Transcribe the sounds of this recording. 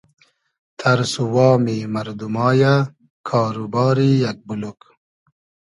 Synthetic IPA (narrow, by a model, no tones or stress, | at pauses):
t̪ʰɐɾsuwɑːmimɐɾd̪umɑːja | kʰɑːɾubɑːɾijɐk̚buluk